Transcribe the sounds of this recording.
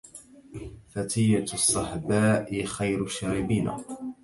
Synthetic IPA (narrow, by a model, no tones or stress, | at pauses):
fat̪ʰiːʕt̪sˤːɑħbaːʔɪxajɾʃaːɾɪbiːna̰